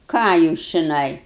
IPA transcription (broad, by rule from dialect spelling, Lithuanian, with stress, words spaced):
ˈkɑː juːs t͡ʃʲɪˈnɐɪ